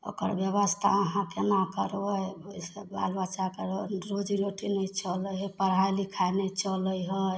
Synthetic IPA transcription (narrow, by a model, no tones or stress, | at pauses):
o̰kə̰ɾbjəβəst̪ʰa̰əɦãkenakəɾjojseba̰lbat͡ʃakəɾɾod͡ʒiɾoʈinəjt͡ʃələɦɔjpəɽ̤ɦajlikʰanet͡ʃələjɦə